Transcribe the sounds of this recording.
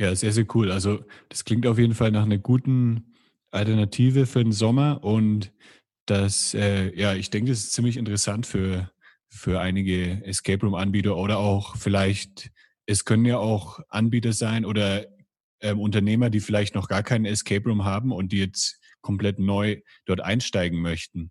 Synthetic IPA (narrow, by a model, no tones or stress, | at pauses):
jaːzeːɐzeːɐkʰuːlalzod̥ḁskl̥ɪŋktaʊf̬jeːdn̩falnaːχnɐɡuːtn̩ | ʔaltɛɐnatʰiːvəfyːɐdenzɔmɐʔʊnt | d̥asʔɛːjaːɪçd̥ɛŋkəd̥as̬ɪ̥st͡siːmlɪçɪntəʁɛsantfyːɐ | fyːɐʔaɪnɪɡəɛskʰɛɪpʁumʔanbiːtɐʔoːɾɐaʊxfɪlaɪçt | ʔɛskʰœnənjaːʔaʊxʔanbiːtɐzaɪnʔoːdɐ | ʔɛːmʔʊntɐneːmɐdiːfɪlaɪçtnɔχɡ̥aːɐkʰaɪnənɛskʰɛɪpʁumɦaːbm̩ʊnt̚d̥iːjɛt͡s | kʰɔmplɛtnɔʏ | d̥ɔɐtʔa̰ɪnʃtaɪɡŋ̩mœçtn̩